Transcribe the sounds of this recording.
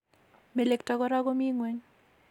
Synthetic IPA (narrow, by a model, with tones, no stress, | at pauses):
me˨le˨ktɔ˨ɡɔ˦ɾa˦ɡɔ˦mi˦ŋwe˦ɲ